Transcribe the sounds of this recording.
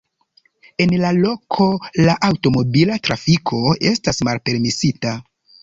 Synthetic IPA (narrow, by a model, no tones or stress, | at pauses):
e̞nlalo̞kʰo̞laʔawto̞mo̞bilatɾafikʰo̞e̞stasmalpe̞ɾmisita